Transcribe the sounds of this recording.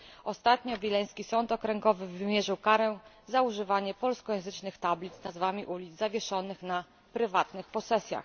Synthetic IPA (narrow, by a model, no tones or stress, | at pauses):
ɔst̪at̪ɲɔvʲilɛj̃skʲisɔnt̪ɔkɾɛŋɡɔvɘvɘmʲjɛʐɘwkaɾɛ | zauʐɘvaɲɛpɔlskɔjɛ̃w̃zɘt͡ʂnɘxt̪ablʲid̪znazvamʲiʔulʲid̪zavʲjɛʂɔnɘxna | pɾɘvat̪nɘxpɔsɛsʲja̰x